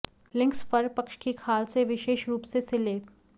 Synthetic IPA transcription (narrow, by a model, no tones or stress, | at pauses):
lɪ̃ŋkspɐɾpɐkʃkikʰaːlseʋɪʃeːʃɾuːpsesɪleːp